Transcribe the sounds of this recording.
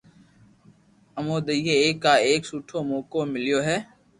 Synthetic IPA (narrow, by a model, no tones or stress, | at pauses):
əmoːd̪əjeeːkːaːeːksuːʈʰoːmoːkoːmɪlɪjoːɦɛː